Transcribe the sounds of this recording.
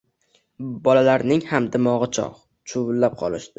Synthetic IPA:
bɒlalaɾnɪŋhamd̪ɪmɒʁɨt͡ʃʰɒ̰ʁ | t͡ʃʰʊvʊlːap̚qʰɒ̰lˠɪʃd̪ɪ

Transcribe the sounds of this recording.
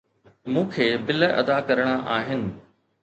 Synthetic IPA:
mũːkʰeːbɪlɐ̰d̪akɐɾəɽ̃aʔaːɦɪnɪ̆

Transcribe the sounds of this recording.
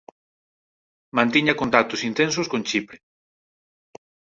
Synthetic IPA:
mãnt̪iɲakont̪ak̚t̪ʊsint̪ens̬ʊskont͡ʃipɾe

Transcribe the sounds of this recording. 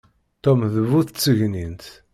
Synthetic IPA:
t̪ːomðvuθt͡sːəʝnint̪

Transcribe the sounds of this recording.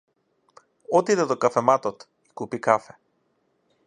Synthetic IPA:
ɔt̪id̪ɛd̪ɔkafɛmat̪ɔt̪ | ikupikafɛ

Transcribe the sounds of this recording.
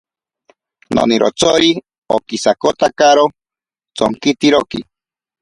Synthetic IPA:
no̰niɾʔo̰t͡soɾi | okisakot̪akaɾo | t͡soŋkit̪iɾoki

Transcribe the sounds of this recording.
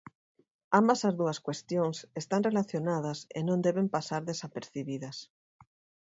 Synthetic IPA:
ambɐsɐzðuɐskwest̪joŋsest̪aŋrelaθjonaðɐsḛnõnd̪eβempasaɾðesapeɾθiβiðɐs

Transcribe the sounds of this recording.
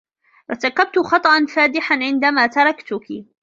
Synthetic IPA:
ɾˤɑt̪ɑkːab̚t̪ʊxɑt̪ˤɑʔɑnfaːd̪ɪħanʕɪnd̪amaːt̪ɑɾˤɑkt̪ʊki

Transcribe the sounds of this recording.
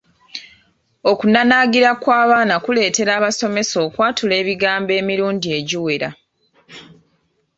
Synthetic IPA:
o̞kunanaːɡiɾakwaːβaːnakule̞ːte̞ɾaːβaso̞me̞so̞ːkwaːtule̞ːβiɡaːmbe̞ːmiɾuːndie̞ɟiwe̞ɾa̰

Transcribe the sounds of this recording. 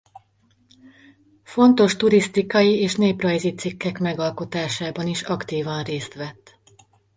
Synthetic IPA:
fo̞nt̪o̞ʃt̪uɾist̪ikɒjieːʃneːprɒjzit̪sikːɛkmɛɡɒlko̞t̪aːʃaːbɒniʃɒkt̪iːvɒnreːst̪ʋɛt̪ː

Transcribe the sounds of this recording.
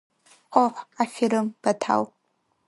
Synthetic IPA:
qʷʼɔħʷafiɾɨmb̥ɐtʰa̰w

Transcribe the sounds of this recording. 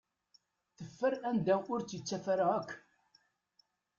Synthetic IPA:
θəfːəɾænd̪æʔʊɾt͡sːət͡sːæfæɾaækʷː

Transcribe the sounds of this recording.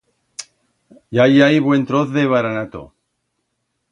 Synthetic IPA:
jajajβwe̞nt̪ɾoθðeβ̞aɾanat̪o̰

